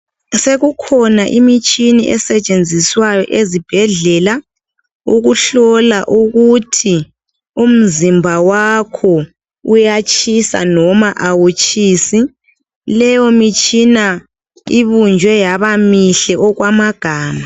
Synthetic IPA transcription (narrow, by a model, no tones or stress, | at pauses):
seɣukʰɔnaʔimit͡ʃʼinḭʔɛ̰sɛt͡ʃʼend͡zʱiswajɔ̰ʔezib̥ʱɛɮɛla | uɣuɬɔlaʔuɣutʰi | um̩zimbʱawakʰɔ | ujat͡ʃʼisa̰nɔmaʔawut͡ʃʰʼiːsi | lɛjɔmit͡ʃʼina | iβund͡ʒʱwɛjaβamiɬɛʔɔɣwamaɡ̥ʱaːma